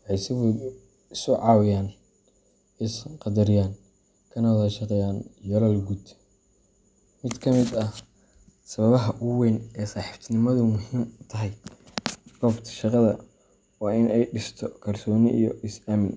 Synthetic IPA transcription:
wħɑjsɪβʊ | ɪsʊʕɑːwɪjaːn | ɪsqɑd̪ɐɾɪjaːn | kʰɐnɐwðɐʃɑqɛjaːnjɐlɐlɡud̪ | mɪd̪kʰɐmɪd̪ɐ | sɐβɐβɐɦɐʔʊwɛnɛːsaːħift̪ʰnɪmɐðʊmʊɦiːmt̪ʰɐɦɛj | b̥ɔːbt̪ʰɐ̥ʃɑqɑðɐ | wɑːɪnɛjɖɪst̪ʰɔkʰɐrsɔːnɪʔḭjɔʔɪsamɪn

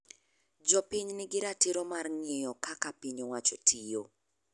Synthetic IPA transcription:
d͡ʒɔpɪɲnɪɡɪɾatɪɾomarŋɪejɔkakapiɲowat͡ʃotʰijo

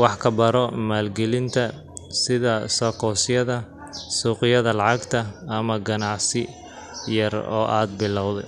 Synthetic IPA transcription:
wɑħkʰɐbɐɾɔmaːlɡɛlɪnt̪ʰɐ | sɪðɐsɔːkʰɔːsɪjɐðɐ | suːqɪjɐðɐlɑʕɑɡt̪ʰɐːmɐɡɐnɑʕsɪ | jɐrɔ̰ːʔaːd̪̚bɪlːɐwðɛj

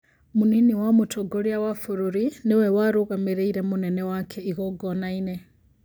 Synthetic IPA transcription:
muniniwamutʰɔɡoɾijawafuɾuɾinewɛwaɾuɣameɾeiɾɛmunɛnɛwakʰɛiɣɔɡɔnaine

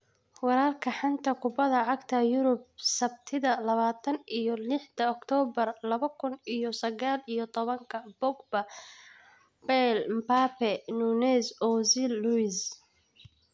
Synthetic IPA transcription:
wɑɾaːrkʰɐħant̪ʰɐkʰʊbɐðɐʕɑɡt̪ʰɐjʊɾʊb̚sɐbt̪ʰɪðɐlɐβaːt̪ʰɐnijɔlɪħd̪ɐɔkt̪ʰɔːbɐrlɐβɐkʰʊnijɔsɐɣaːlijɔt̪ʰɔβɐŋkʰɐbɔɡbɐ | bɛlmpaːpʰɛnunɛːsɔsɪlːuis

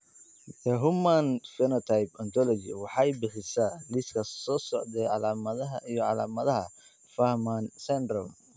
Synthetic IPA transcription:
ɛɦʊmːanfɛnɔt̪ʰajpɐnt̪ʰɔlɔd͡ʒɪ̰wɑħɑjbɪħɪsaːlɪskʰɐsɔːsɔʕd̪ɛʕɑlaːmɐðɐɦɐʔijɔʕɑla̰ːmɐðɐɦɐ | fɐhmansɛnd̪ɾɔ

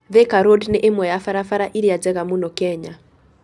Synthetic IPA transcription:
ðɛkaɾodneʔemwɛjafaɾafaɾaʔiɾiad͡zɛɣamunɔkɛɲa

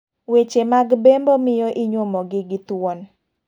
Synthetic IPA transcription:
wet͡ʃemaɡbembomɪjɔʔɪɲomɔɡɪɡɪt̪won

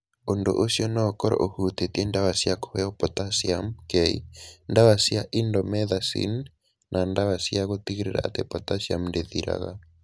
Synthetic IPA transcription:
ondo̰ʔosjɔnɔːkɔɾɔ̰ʔohut̪etiendaβasiako̥hɛɔpɔtasiamkɛḭndaβasiaʔindɔmɛðasḭn | nʔandaβasiaɣot̪iɣiɾeɾa̰a̰tɛpɔtasja̰mndeðiɾa̰ɣa̰

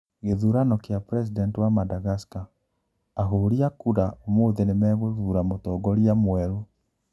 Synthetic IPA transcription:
ɣeðuɾanɔkeapɾɛs̬idɛntwamadaɣaskaː | ɦoɾiakuɾaomoːðenemɛːɣoðuɾamotɔɡɔɾiamwɛɾu

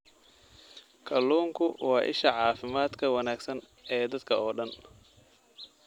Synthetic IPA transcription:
kʰɐlːuːŋkʰʊwɑːʔɪ̰ʃɐʕɑːfɪmaːd̪kʰɐwɐnaːɡsɐn | ɛːd̪ɐd̪kʰɐɔːɖɐn

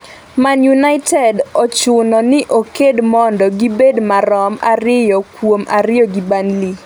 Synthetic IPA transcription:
manjunaɪtɛdɔt͡ʃʊnɔnɪʔokedmɔndɔɡibedmaɾɔma̰ɾɪjɔkwomʔaɾɪjɔɡibanli

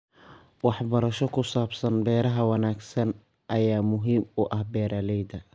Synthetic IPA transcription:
wɑħbɐɾɐʃɔkʰʊsaːbsɐnbɛːɾɐɦɐwɑnaːɡsɐn | ʔɐjaːmʊɦiːmʊʔɐhbɛːɾʔalɛjd̪ɐ

